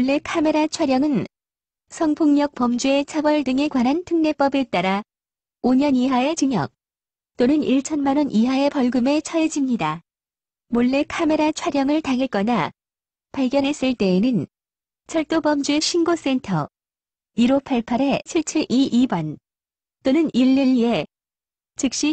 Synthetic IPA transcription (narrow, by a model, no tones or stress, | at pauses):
oɭːe̞kʰame̞ɾat͡ɕʰaɾjʌŋɯn | sʰʌŋpʰoŋɲʌk̚pʌmd͡ʑue̞t͡ɕʰabʌɭdɯŋe̞kwanɦantʰɯŋne̞p͈ʌbe̞t͈aɾa | oɲʌniɦae̞t͡ɕɯɲʌ̰k̚ | t͈onɯniɭt͡ɕʰʌnmanʌnʔiɦae̞pʌɭɡɯme̞t͡ɕʰʌed͡ʑimɲida | moɭːe̞kʰame̞ɾat͡ɕʰwaɾjʌŋɯɭtaŋek͈ʌna | paɭɡjʌnɦe̞s͈ɯɭt͈e̞ːnɯn | t͡ɕʰʌɭt͈obʌmd͡ʑue̞ɕʰinɡos͈e̞ntʰʌ | iɾopʰaɭpʰaɾe̞t͡ɕʰiɭt͡ɕʰɯʔiʔibwʌn | t͈onɯniɭːeʎːie̞ | t͡ɕɯk̚ɕ͈i